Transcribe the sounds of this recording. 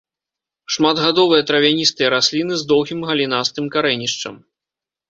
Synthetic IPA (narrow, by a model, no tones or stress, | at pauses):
ʂmad̪ɣad̪ɔvɨjɐt̪ɾɐvʲanʲist̪ɨjɐɾasʲlʲinɨzd̪ɔwɣʲimɣɐlʲinast̪ɨmkaɾɛnʲiʂt͡ʂɐ̰m